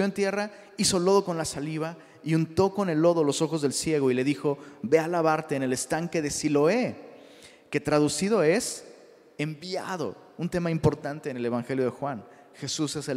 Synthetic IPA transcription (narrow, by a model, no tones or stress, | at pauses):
jont̪je̞ra | iso̞lo̞ð̞o̞ko̞nlasaliβ̞a | iunt̪o̞ko̞ne̞lo̞ð̞o̞loso̞xozðe̞lsje̞ɣo̞ile̞ðixo̞be̞alaβaɾt̪eːne̞le̞st̪aŋke̞ðe̞silo̞e̞ | ke̞t̪ɾaðusið̞o̞e̞s | e̞mbja̰ð̞o̞̰ | unt̪e̞maimpo̞ɾt̪ant̪e̞ːne̞le̞β̞aŋxe̞ljo̞ð̞e̞xwan | xe̞suse̞se